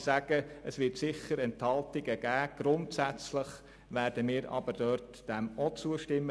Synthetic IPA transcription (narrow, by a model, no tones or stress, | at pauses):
sæɡ̥əəsʋɪɾtsɪχəɾɛnthɑltɪɡəɡ̥æːɡ̥ɾʊntsæt͡sləχ | ʋæːɾd̥əmɪːɾʔɑ̰bəɾd̥œɾt | d̥ɛmɔt͡suəʃtɪmːə